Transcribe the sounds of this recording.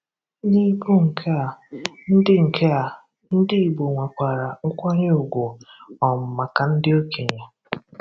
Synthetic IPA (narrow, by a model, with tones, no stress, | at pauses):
ɲi˦ɡu˦ŋ̩˨kʰe˦a˨n̩˦dɪ˦ŋ̩˨kʰe˦a˨ | n̩˦dɪ˦i˨bo˨ŋʷe˨kʷa˨ɾa˨ʊ˦kʷa˦ɲe˦o˨ɡʷo˨ɔ˨m̩˨ma˨ka˨n̩˦dɪ˦o˦ke˨ɲa˨